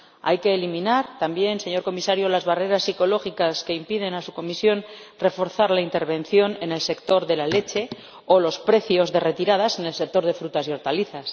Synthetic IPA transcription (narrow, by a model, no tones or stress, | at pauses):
a̰jke̞ːlimĩnaɾt̪ambje̞nse̞ɲo̞ɾko̞misaɾjolazβare̞ɾasːiko̞lo̞xikaske̞impið̞e̞nasuko̞misjo̞n | re̞fo̞ɾθaɾlaint̪e̞ɾβ̞ẽ̞n̟θjo̞ne̞ne̞lse̞kt̪o̞ɾðe̞lale̞t͡ʃe̞ | olo̞spɾe̞θjo̞zðe̞re̞t̪iɾað̞ase̞ne̞lse̞k̚t̪o̞ɾð̞e̞fɾut̪asio̞ɾt̪aliθas